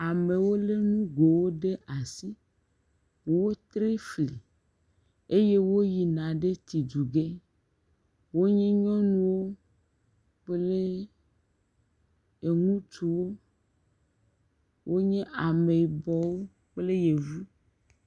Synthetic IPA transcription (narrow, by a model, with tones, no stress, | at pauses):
a˨me˨wo˦le˦nũ˦ɡo˨wo˦ɖe˦ʔa˨si˦˨ | wo˦t̪ɾe˦fli˨ | e˦je˦wo˦ji˨nã˨ɖe˦t̪i˨d͡ʒu˨ɡe˦ | wo˦ɲɛ̃˦ɲɔ̃˦nũ˦wo˦ | k͡ple˦ | e˨ŋũ˦t͡ʃu˨wo˦ | wʔo˦ɲɛ̃˦ʔa˨me˨bɔ˨wo˦ | k͡ple˦je˨vu˦